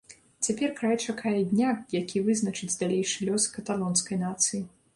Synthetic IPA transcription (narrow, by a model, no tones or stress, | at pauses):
t͡sʲapʲɛrkɾajt͡ʂakajɛd̪ʲnʲajakʲivɨznɐt͡ʂɨd͡zʲd̪alʲejʂɨlʲɔskɐt̪alˠɔnskɐjnat̪sɨji